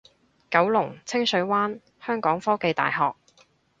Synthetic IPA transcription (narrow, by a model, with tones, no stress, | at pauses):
kɐ˨˥wlʊ˨˩ŋt͡sʰɪ˥ŋsɵ˨˥ɥwaː˥n | hœː˥ŋkɔː˨˥ŋfɔː˥ke˨˧jt̪a̰ː˨jɦɔː˨k̚